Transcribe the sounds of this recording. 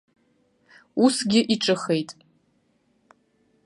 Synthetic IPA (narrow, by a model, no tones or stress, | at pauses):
usɡʲɪʔiʈ͡ʂʼɨχe̞jtʼ